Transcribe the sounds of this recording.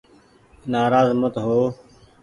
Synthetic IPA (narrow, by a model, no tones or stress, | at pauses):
naːɾaːzmət̪ɦoː